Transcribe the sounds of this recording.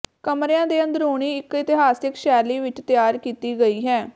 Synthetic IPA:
kəmɾejãːd̪eːə̃nd̪əɾoːɳ̃iːɪkɪt̪ɪɦaːsɪkʃɛːliːʋɪt͡ʃt̪jaːɾkiːt̪iːɡəiːɦɛː

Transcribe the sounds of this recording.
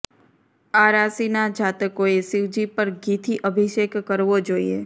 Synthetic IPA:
aɾasinad͡ʒʱat̪əkoesɪʋd͡ʒipəɾɡit̪ʰiʔəbʱiʃekːəɾʋod͡ʒoːḭḛ

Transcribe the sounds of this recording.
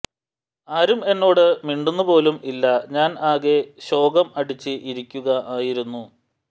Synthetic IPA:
aːɾume̞nːo̞ːɽɨmiɳɖunːupo̞ːlumilːɐɲaːnaːɣe̞ɕo̞ːɡɐmɐɽit͡ɕːɨʔiɾikʲːuɣɐʔaːjiɾunːu

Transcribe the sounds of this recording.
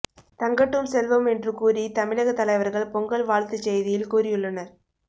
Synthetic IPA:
t̪ɐŋɡɐʈːɯmsɛlʋɐmɛndrɯkuːɾit̪ɐmɪɻɐɣɐt̪ːɐlɐɪʋɐɾɣɐɭpɔŋɡɐɭʋaːɭt̪ɯt͡ʃːɛjðɪjɪlkuːrɪjɯɭːɐnɐɾ

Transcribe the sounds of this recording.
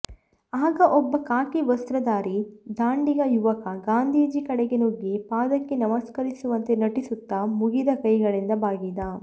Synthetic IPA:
aːɡɐʔɔbːɐkaːkiʋɐst̪ɾɐd̪aːɾid̪aːɳɖiɡɐjuʋɐkɐɡaːnd̪ʱiːd͡ʒikɐɽeɡe̞noɡːipaːd̪ɐkːenɐmɐskɐɾisuʋɐnt̪e̞nɐʈisut̪ːɐmuɡid̪ɐkɐjɡɐɭind̪ɐbaːɡid̪ɐ

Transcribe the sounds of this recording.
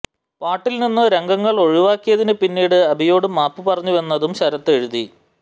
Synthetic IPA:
paːʈːilninːɨɾe̞ŋɡɐŋːɐɭo̞ɻiʋaːkːijɐðinɨpinːiːɽɨɐbʱijo̞ːɽɨmaːpːɨpɐrɐɲːuʋe̞nːɐðumɕɐɾɐt̪ːe̞ɻuði

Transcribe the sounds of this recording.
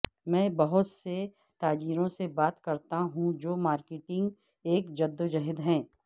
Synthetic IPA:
mɛ̃ːbɐɦʊt̪se | t̪aːd͡ʒiːɾõsebaːt̪kɐɾt̪aɦũd͡ʒoːmaːɾkeʈɪ̃ŋɡ | eːkd͡ʒɐd̪ːd͡ʒɐɦɪd̪ɦɛ̃ː

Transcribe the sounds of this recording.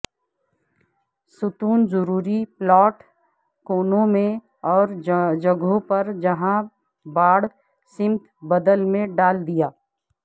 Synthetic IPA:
sʊt̪uːnzʊɾuːɾiplɔːʈ | koːnõmẽ | ɔːɾd͡ʒəɡõpɐɾd͡ʒɐɦã | baːɽ | sɪmt̪bəd̪əlmẽɖaːld̪ijaː

